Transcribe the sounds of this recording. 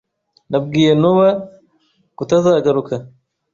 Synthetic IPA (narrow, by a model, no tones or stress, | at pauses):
nab̚ɡiːjenuwa | kut̪azaːɡaɾukʰa